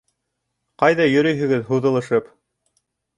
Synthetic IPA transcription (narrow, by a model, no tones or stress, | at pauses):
qɑjðɑjɵ̆ɾɵjɦɵ̆ɡɘðɦuðɤ̆lˠɤ̆ʃɤp